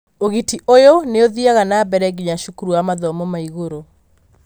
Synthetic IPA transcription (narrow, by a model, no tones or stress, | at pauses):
oɣitiʔojoneoðiaɣanabɛɾɛɡiɲaʃukuɾuamaðɔmɔmaiɣoɾo